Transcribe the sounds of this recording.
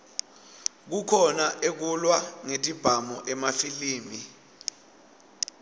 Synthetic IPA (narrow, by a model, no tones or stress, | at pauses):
k̬ukʰɔnaʔek̬ulwaŋetʼib̥ʱamɔʔɛmafiliːmi